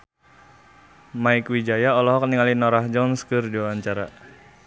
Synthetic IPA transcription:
maikwid͡ʒajaɔlɔɦɔk̚niŋalinɔɾahd͡ʒɔnskɨrdiawaɲt͡ʃaɾa

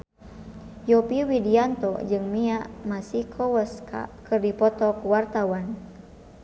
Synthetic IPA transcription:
jɔpiwidiant̪ɔ̰d͡ʒɨŋmiaʔmasikʰɔwɛska̰kɨrdipɔt̪ɔkuwart̪awan

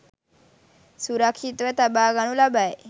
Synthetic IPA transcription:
suɾakʃit̪ʋət̪abaɡañulabaj

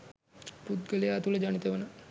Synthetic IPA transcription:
put̪̚ɡəlijəːt̪uləd͡ʒanit̪əʋənə

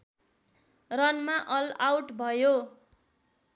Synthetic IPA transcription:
rʌnmaʔʌlawʈbʱʌjo

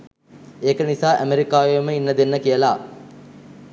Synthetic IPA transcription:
eːkənisaːʔæmeɾikaːʋejməinːɐd̪enːəkijəlaː

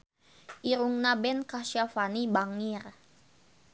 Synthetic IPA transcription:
ʔiɾuŋnabɛnkaʃafanibaŋir

